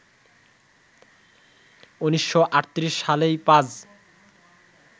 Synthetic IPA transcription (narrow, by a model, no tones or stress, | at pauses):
uniʃːoʔaʈt̪ɾiʃːalejpãd͡ʑ